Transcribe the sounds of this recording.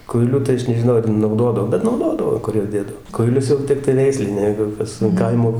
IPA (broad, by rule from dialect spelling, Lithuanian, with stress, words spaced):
kʊɪˈlʲʊ tɐɪ ˈɐʃ nʲɛʒʲɪˈnɐʊ ɐr nɐʊˈdoːdɐw bʲɛt nɐʊˈdoːdɐʋoː ˈkʊr juɔs ˈdʲeːdɐw kʊɪˈlʲʊs jɛʊ ˈtʲɪktɐɪ ˈʋʲɛɪsʲlʲɪnʲɛɪ ˈjɛɪɡʊ ˈkɐs ɐn ˈkɐɪmoː